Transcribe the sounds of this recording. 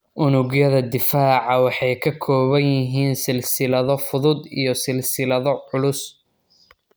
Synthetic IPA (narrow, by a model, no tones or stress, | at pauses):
ʔʊnʊɡjɐðɐd̪ɪfaːʕɑwɑħɑjkʰɐkʰɔːβɐnjɪɦiːnsɪlsɪlɐðɔfʊðʊd̪ḭjɔsɪlsɪlɐðɔʕʊlʊs